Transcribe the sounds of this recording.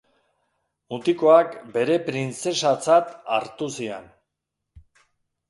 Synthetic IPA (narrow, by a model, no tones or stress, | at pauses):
mut̪iko̞akbe̞ɾe̞pɾint͡se̞sat͡sat̪a̰ɾt̪usien